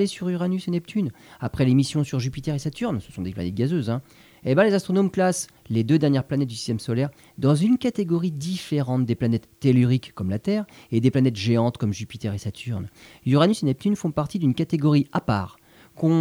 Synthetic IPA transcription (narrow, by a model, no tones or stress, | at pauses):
lesyʁyʁanysenɛp̚t̪ʰynapχɛlemisjɔ̃syʁʒypit̪ɛʁesat̪ʰyʁnsə̥sɔ̃d̪eplanɛt̪̚ɡazøzɛ̃ | ebɛ̃lezast̪χɔnomklas | led̪ød̪ɛʁnjɛʁplanɛt̪̚d̪ysi̥st̪ɛmsɔlɛʁ | d̪ɑ̃zynkat̪eɡɔʁid̪ifeʁɑ̃t̪̚d̪eplanɛt̪ːelyʁikːɔmlat̪ɛːʁed̪eplanɛt̪ʒeɑ̃t̪kɔmʒypit̪ɛʁesat̪ʰyʁn | yʁanysenɛp̚t̪ynfɔ̃paʁt̪id̪ynkat̪eɡɔʁiapa̰ːʁ | kɔ̃